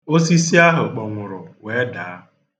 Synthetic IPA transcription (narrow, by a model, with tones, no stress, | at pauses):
o˦si˦si˦a˦ɦʊ˨k͡pɔ˨ŋʷʊ˨ɾʊ˨we˨˦da˨a˦˨